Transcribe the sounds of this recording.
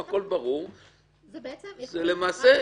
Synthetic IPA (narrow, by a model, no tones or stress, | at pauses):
ako̞lbaʁuʁ | zele̞maːse